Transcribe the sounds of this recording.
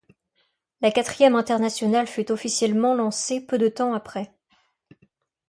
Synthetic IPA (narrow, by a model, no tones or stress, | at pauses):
lakat̪χijɛmɛ̃t̪ɛʁnasjɔnalfyt̪ɔfisjɛlmɑ̃lɑ̃sepød̪ət̪ɑ̃apχɛ